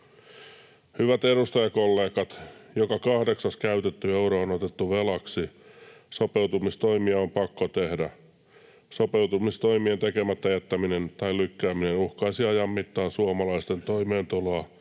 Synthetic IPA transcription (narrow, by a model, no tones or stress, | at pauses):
hyʋæt̪edust̪ɑjɑkolːeːkɑt̪jokɑkɑhdeksɑskæyt̪et̪ːyeuɾoːonot̪et̪ːuʋelɑksisopeut̪umist̪oimiɑompɑkːot̪ehdæ | sopeut̪umist̪oimient̪ekemæt̪ːæjæt̪ːæminent̪ɑilykːæːminenuhkɑisiɑjɑmːit̪ːɑːnsuɑmɑlɑist̪ent̪oimeːnt̪uloɑ